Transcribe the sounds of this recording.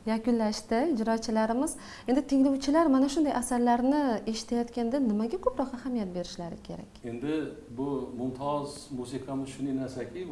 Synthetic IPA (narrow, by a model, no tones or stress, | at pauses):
jakʊnlaʃt̪ɪd͡ʒɾɒt̪t͡ʃʰɪlaɾɪmɪz̥ | e̞nd̪ɪt̪ʰɪŋlowt͡ʃʰɪlaɾmanaʃʊnd̪ajʔasaɾlaɾnɪe̞ʃɪ̥t̪ʰajɒt̪kʲand̪anɪmaɡʲakʰopɾɒqahamijat̪̚be̞ɾɪʃlaɾɪkʲʰe̞̰ɾa̰kʲend̪ɪbʊmʊnt̪ʰɒzmusɪqʰamɪzʃʊnenaɾsakʲʰɪ